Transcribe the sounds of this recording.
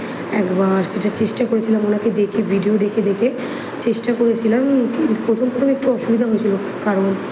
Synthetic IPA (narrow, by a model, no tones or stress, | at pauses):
ɛ̰kbaɾʃeʈat͡ɕeʃʈakoɾet͡ɕʰilamonaked̪ekʰebʱiɖiod̪ekʰed̪ekʰe | t͡ɕeʃʈakoɾet͡ɕʰilamkint̪upɾot̪ʰompɾot̪ʰomek̚ʈuɔʃubid̪ʱaɦojet͡ɕʰilo | kaɾon